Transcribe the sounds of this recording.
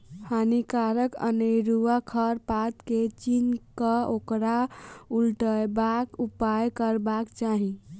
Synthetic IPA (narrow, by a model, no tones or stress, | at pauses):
hanikaɾəkə̰nəjɾuakʰəɾpat̪ket͡ʃinkəokɾaulʈəjbakupajkəɾbakt͡ʃaɦi